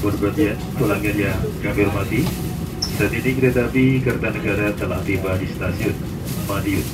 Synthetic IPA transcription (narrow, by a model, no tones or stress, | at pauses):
bərbatja | p̪ulaŋanjaŋkamɪrmat̪i | sat̪inikəɾet̪apikərt̪anəɡaɾat̪əla̰ht̪ibadist̪asiʊt̪̚ | madiʊt̪̚